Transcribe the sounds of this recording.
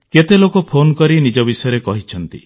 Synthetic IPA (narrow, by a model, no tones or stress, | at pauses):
ket̪elokopʰonkɔɾinid͡ʒɔbisɔjɔɾekɔɦit͡ʃʰɔnt̪ḭ